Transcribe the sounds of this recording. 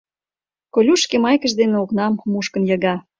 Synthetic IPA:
kolʲuʃkemɑjkə̆ʃd̪eneoknɑmːuʃkə̆njɑ̆ɣɑ

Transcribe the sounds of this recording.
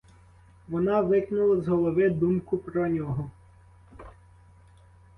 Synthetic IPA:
ʋɔnɑʋɪknʊlˠɐzɦɔlˠɔʋɪd̪umkʊpɾɔnʲɔɦɔ

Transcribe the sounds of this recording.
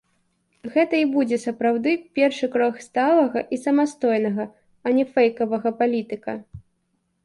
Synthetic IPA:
ɣɛt̪ɐibud͡zʲɛsɐpɾawd̪ɨpʲɛrʂɨkɾɔxst̪alˠɐɣɐʔisɐmast̪ɔjnɐɣɐ | ɐnʲɛfɛjkɐvɐɣɐpalʲit̪ɨkɐ

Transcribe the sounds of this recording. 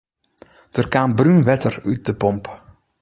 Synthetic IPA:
d̥ərkaːmbrynʋɛtəryt̚dəpɔmp

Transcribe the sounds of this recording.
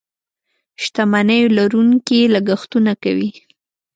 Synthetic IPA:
ʃt̪amanəjolaɾuŋkilaɡaxt̪unakawi

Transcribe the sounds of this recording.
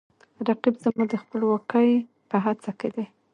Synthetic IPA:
ɾaqibzəmud̪əxpəlwɑkəj | pəɦat͡saked̪e

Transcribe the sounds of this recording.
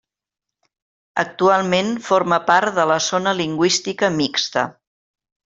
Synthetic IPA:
ək̚t̪ualˠmenfoɾməpaɾt̪ðələzonəliŋɡwist̪ikəmikst̪ə̰

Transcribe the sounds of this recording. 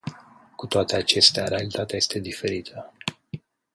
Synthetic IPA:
kut̪oat̪e̞at͡ʃe̞st̪eaɾealit̪at̪eaje̞st̪e̞d̪ife̞ɾit̪ʰə

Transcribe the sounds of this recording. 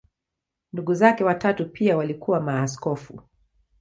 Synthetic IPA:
nduɠuzakɛwatatupʰiawalikuwamaːskɔfṵ

